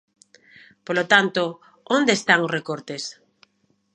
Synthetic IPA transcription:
polot̪ant̪o | ond̪eːst̪aŋozrekoɾt̪es

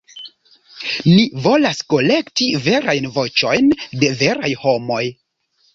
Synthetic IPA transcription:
nivo̞lasko̞le̞ktive̞ɾajnvo̞t͡ʃo̞jnde̞ve̞ɾajho̞mo̞j

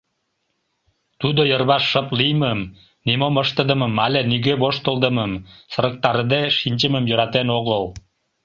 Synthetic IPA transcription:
t̪ud̪ojərβɑʃːəplijməm | nimoməʃt̪ə̆d̪ə̆məmɑlʲeniɣøβoʃt̪əlˠd̪əməmsəɾə̆k̚t̪ɑɾəd̪eʃinʲt͡ɕəməmjøɾɑt̪enoɣəl

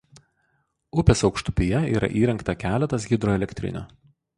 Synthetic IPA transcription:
ʊpʲeːsɒʊkʃt̪ʊ̥pʲijɛḭːɾʔɐ̰ʔiːɾʲɛŋkt̪ɐkʲæːlʲɛt̪ɐs̬ɡʲɪd̪ɾoːɛlʲɛkʲt̪ʲɾʲɪ̰nʲo̰ː

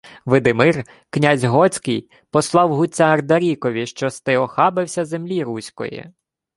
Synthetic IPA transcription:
ʋɪd̪ɪmɪr | knʲazʲɦɔt͡sʲkɪj | pɔslˠɑwɦʊt͡sʲːaːrd̪ɐɾʲikɔʋʲiʃt͡ʃɔst̪ɪɔxɑbɪwsʲɐzemlʲiɾusʲkɔ̰jḭ

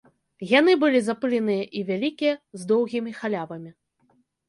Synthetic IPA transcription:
jan̪ɨbɨlʲizapɨlʲinɨjɐʔivʲalʲikʲijɐzd̪ɔwɣʲimʲixalʲavɐmʲi

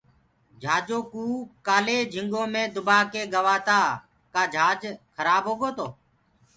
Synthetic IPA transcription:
d͡ʒʱaːd͡ʒoːkuːkaːleːd͡ʒʱɪŋɡõːmẽːd̪ʊbaːkeːɠəʋaːt̪aː | kaːd͡ʒʱaːd͡ʒkʰəɾaːbɦoːɠoːt̪oː

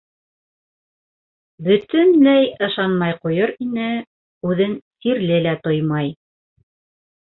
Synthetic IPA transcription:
bɵ̆t̪ɵnlæjɤ̆ʃɑnmɑjqŏjoɾinɘ | ʉðɘŋt̪iɾlɘlæt̪ojmɑj

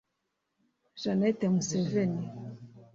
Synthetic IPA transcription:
ʒanɛt̪ɛmusɛvɛni

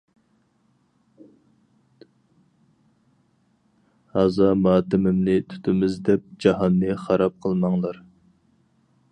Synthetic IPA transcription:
hɑzɑmɑːt̪ɪmɪmnɪt̪ʰy̥t̪ʰɪmɪzd̪ɛp̚d͡ʒɑɦɑnːɨχɑɾɑp̚qʰəlˠmɑŋlˠɑɾ

